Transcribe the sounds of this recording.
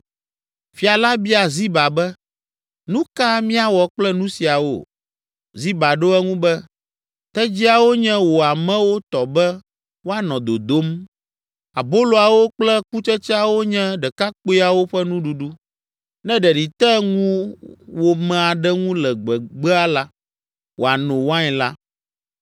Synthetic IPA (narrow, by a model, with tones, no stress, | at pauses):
fi˨a˨la˦bi˦a˨zi˦ba˨bɛ˦ | nũ˦ka˦mĩ˦a˦wɔ˨k͡plɛ˦nũ˦si˨a˨wo̰˦˨ | zi˦ba˨ɖo˦ɛ˦ŋũ˦bɛ˦ | t̪ɛ˦d͡ʑi˦a˨wo˦ɲɛ̃˦wo˨a˨mɛ̃˦wo˦t̪ɔ˨bɛ˦ | wo˦a˦nɔ̃˨d̪o̰˨d̪o˦m | a˨bo˦lo˨a˨wo˦k͡plɛ˦ku˦t͡ʃɛ˦t͡ʃɛ˦a˨wo˦ɲɛ̃˦ɖɛ˨ka˦k͡po˦i˦a˨wo˦ɸɛ˦nũ˦ɖu˨ɖu˦ | nɛ̃˦ɖɛ˨ɖi˨t̪ɛ˦ŋũ˦wo˨mɛ̃˨a˨ɖɛ˦ŋũ˦lɛ˨ɡ͡bɛ˨ɡ͡bɛ˦a˦la˦ | wo̰˨a˨nõ˨wa˦ɲɛ̃˨la˦